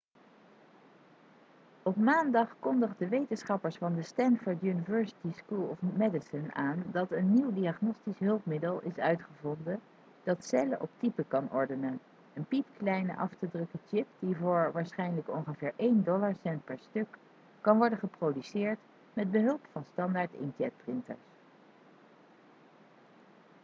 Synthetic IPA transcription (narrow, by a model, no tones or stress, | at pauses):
ɔpmaːndɑχkɔndəχdəʋejtənsχɑpəɹsfɑndəstɛnfɔɹtjunivɛɹsi̥tiskulˠɔfmɛdɪsənaːndɑtənːiwdiaχnɔstisɦɵlˠpmɪdəlˠɪsœɥtχəvɔndə | d̥ɑtsɛləʔɔp̚tipəkɑnɔɹdənən | ənpipklɛjnə̰ʔɑftədrɵkət͡ʃɪpdivʊːɹʋaːɹsχɛjnələkɔŋχəvɪːɹʔejndɔlaɹsɛnt̚pɛɹstɵkː | ɑnʋɔɹdəχəprodysɪːɹt | mɛd̚bəɦɵlˠpfɑnstɑndaːɹtɪ̰ntɛt̚prɪntə̰ɹs